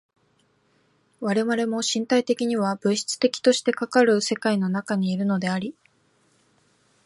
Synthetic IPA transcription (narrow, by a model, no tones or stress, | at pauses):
βaɾe̞βaɾe̞mo̞ɕĩnt̪ait̪e̞kʲiɲ̟iβabɯ̟ɕi̥t͡sɨ̥t̪e̞kʲi̥t̪o̞ɕi̥t̪e̞kakaɾɯ̟se̞kaino̞nakaɲ̟iːɾɯ̟no̞d̪e̞aɾʲi